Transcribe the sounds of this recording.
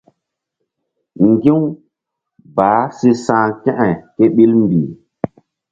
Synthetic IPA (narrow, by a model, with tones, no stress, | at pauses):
ŋ˨ɡĩ˦w | baː˨˦si˦sãː˦kɛ̃˦ʔa˨jke˦ɓi˦lm˦bi˨